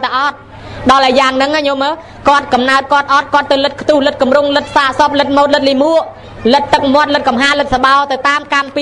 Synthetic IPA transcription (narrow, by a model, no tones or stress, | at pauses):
t̪aʔɑt̪̚ | ɗɑlʔaɛjaːŋnɨŋaɲoməː | kŏət̪̚kɑmnaət̪̚kŏət̪̚ʔɑt̪̚kŏət̪ːɨwlɨt̪̚kʰt̪uːhlɨt̪̚kumruŋlɨt̪̚saːʔsop̚lɨt̪̚moːt̪̚lɨt̪̚limuəʔ | lɨt̪ːɨk̚mŏət̪̚lɨt̪̚kɑmɦaːlɨt̪̚saɓaɔt̪ɨwt̪aːmkampi